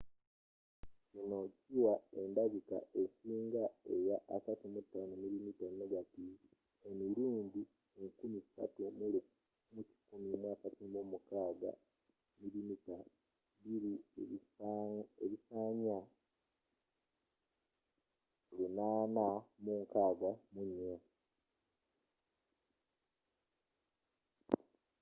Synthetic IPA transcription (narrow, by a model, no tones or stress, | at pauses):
cino̞ciwae̞ndaβika̰ʔesiːŋɡae̞jaʔasatumutːanamiɾimitanoɡati | emiɾuːndi | eŋkumisisa̰tum | muci̥kumimwaːkatimomukaːɡa̰ | miɾimita | βiɾieβ | eβisaːɲa | lunaːnamuŋkaːɡwamuɲa